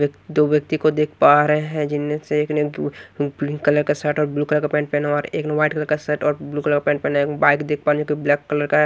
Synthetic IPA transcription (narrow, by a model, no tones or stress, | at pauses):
kd̪oːʋjək̚t̪ikod̪eːkʰpaːɾeɦɦɛ̃d͡ʒɪnmeseeːkne | ɾĩŋkɐləɾkasɛːʈɔːɾbluːkələɾkapɛ̃ːɳʈ̚pɛːnaɔːɾḛːknaʋaːɪʈ̚kələɾkasɛːʈɔːɾbluːkələɾkapɛ̃ːɳpɛːnaekbaːɪkd̪eːk̚ʰpaːɾɛ̃d͡ʒokiblɛːkːələɾkaɦɛ